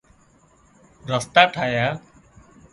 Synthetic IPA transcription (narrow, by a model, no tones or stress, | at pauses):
ɾəst̪aːʈʰaːjaː